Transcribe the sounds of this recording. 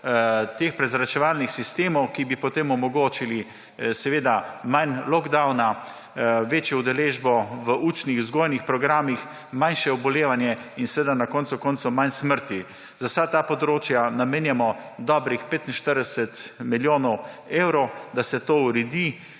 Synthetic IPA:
t̪eːxpɾɛzɾat͡ʃɛʋaːlnixsist̪eːmɔwkibipɔt̪emɔmɔɡoːt͡ʃili | sɛʋeːd̪amanlɔɡd̪awna | ʋeːt͡ʃjɔud̪ɛleːʒbɔʋəʔut͡ʃnixzɡoːjnixpɾɔɡɾaːmix | manʃɛɔbɔleːʋanjɛinsɛʋed̪anakɔːnt̪sʊkɔnt̪sɔmansməɾt̪i | zawsat̪apɔd̪ɾoːt͡ʃjanameːnjamɔ | d̪ɔːbɾixpeːt̪inʃt̪əɾd̪ɛsɛt̪miljoːnɔw | ewɾɔwd̪asɛt̪oːuɾɛd̪i

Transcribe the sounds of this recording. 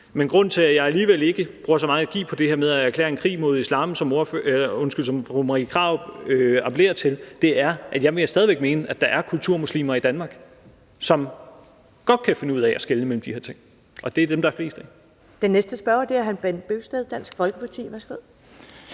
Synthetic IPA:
menɡ̥ʁɔ̽n̰t͡sʰe̝læjɑ̈ɪæliːʋele̝ɡ̥əb̥ʁuːɐsɒ̽mɑ̈ŋ̩æɡ̥ḭːpʰɒ̽d̥e̝heɐ̰með̞ˠææɐkʰlɛ̰ːɐe̝nkʰʁḭːmo̝ð̞ˠislɑ̈ːmsɒ̽mo̝ɐføɔ̽nsɡ̥yl̰sɒ̽mʁomʁikʰʁɑ̰̈ːʊbøɑ̈pʰəle̝̰ɐt͡sʰe̝ld̥e̝æɐʔæd̥jɑ̈ɪʋe̝sd̥ɛðˠiʋeɡ̥̚me̝ːnəʔæd̥ɑ̈ʔæɐkʰult͡sʰuɐmuslḭːmɐid̥ænmɑ̈ːɡ̥ | sɒ̽m | ɡ̥ɒ̽d̥̚kʰæfe̝nəuð̞̰ˠæʔæsɡ̥eləmel̰m̩d̥ihe̝ɐt͡sʰe̝ŋ̰ | ʔɒ̽d̥e̝æɐd̥emd̥ɑfle̝̰ːsd̥ə | d̥enːesd̥əsb̥ɶɐd̥e̝æɐɦænb̥enb̥øʊsd̥eð̩ˠd̥æn̰sɡ̥fɒ̽lɡ̥əpʰɑ̈t͡sʰḭːʋæsɡ̥ʋeð̰ˠ

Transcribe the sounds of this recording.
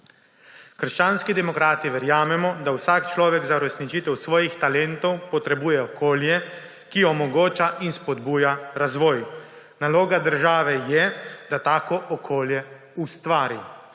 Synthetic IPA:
kəɾʃt͡ʃaːnskid̪ɛmɔkɾaːt̪iʋɛɾjaːmɛmɔd̪awsaːkt͡ʃlɔːʋɛɡzauɾɛsnit͡ʃit̪ɛwsʋɔːjixt̪alɛnt̪ɔwpɔt̪ɾɛbuːjɛɔkʰoːljɛ | kiɔmɔɡoːt͡ʃaʔinspɔd̪buːjaɾazʋɔːj | naloːɡad̪əɾʒaːʋɛjɛd̪at̪aːkɔʔɔkʰoːljɛ | ust̪ʋaːɾi

